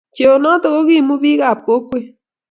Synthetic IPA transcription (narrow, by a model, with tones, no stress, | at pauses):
t͡ʃe˨o˨nɔ˦t̪ɔ˦ko˦ki˦˨mu˦bi˦ka˦˨p̚ko˦kwe˦